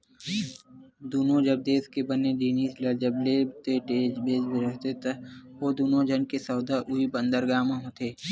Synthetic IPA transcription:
d̪uːnõd͡ʒəb̚d̪eːskebənːed͡ʒiːniːslɐd͡ʒəblet̪eʈeːd͡ʒbeːd͡ʒbeɾəɦt̪et̪ɐʋod̪uːnõd͡ʒənkesɐːd̪aʔʊɦibə̃nd̪əɾɡaːmãɦot̪eː

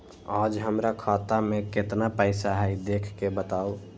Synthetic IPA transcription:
aːd͡ʒɦəmɾakʰaːt̪amẽkɪt̪napəɪsaɦɛid̪eːkʰkebət̪aːo

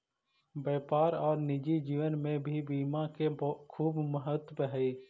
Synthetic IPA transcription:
bɛːpaːɾɔːɾnɪd͡ʒid͡ʒiːʋənmẽbʱibiːmãkebkʰuːbməɦət̪əɦɛi

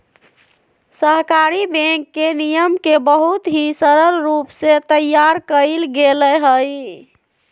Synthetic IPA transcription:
səɦkaɾibẽkːenijəmkebəɦut̪ɦisəɾəlɾupset̪əjaɾkəɪlɡelɛɦəj

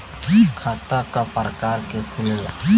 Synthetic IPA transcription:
kʰat̪akaparkarkekʰulela

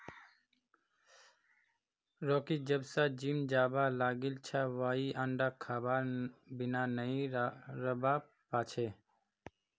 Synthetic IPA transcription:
ɾɔːkid͡ʒəbsad͡ʒimd͡ʒaːbalaːɡilt͡ʃʰaʋaːiʔãɳɖakʰːaːbaɾbɪnanəĩɾəba | paːt͡ʃʰeː

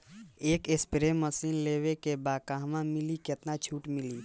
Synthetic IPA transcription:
eːkespɾeməsinlewekebaːkaɦmãmiliket̪nat͡ʃʰuːʈmili

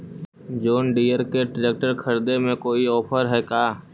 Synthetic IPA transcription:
d͡ʒoːnɖiːəɾkeʈɾeːk̚ʈəɾkʰəɾd̪emẽkoːiɔːpʰəɾɦɛkaː

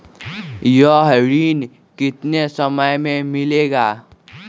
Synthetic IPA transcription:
jəɦɾiːn | kɪt̪nesəməjmẽmɪleːɡaː

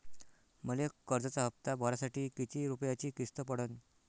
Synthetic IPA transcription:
məlekəɾd͡zət͡saɦəp̚t̪abʱɔɾasaʈiːkit̪ʰiɾupjat͡ɕiːkist̪əpəɽən

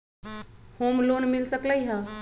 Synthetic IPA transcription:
homlonmilsəkləjɦə

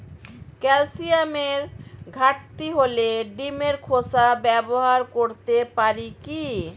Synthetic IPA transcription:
kɛlsiameɾɡʱaʈ̚t̪iɦoleɖimeɾkʰosabɛboɦaɾkoɾt̪epaɾiki

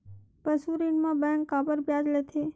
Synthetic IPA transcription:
pəsuɾinmãbɛ̃ŋkːabəɾbjad͡ʒlet̪ʰe

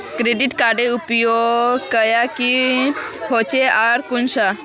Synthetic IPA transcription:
kɾeɖiʈkaːɖeupjokəjaki | hot͡ʃeaɾkunsa

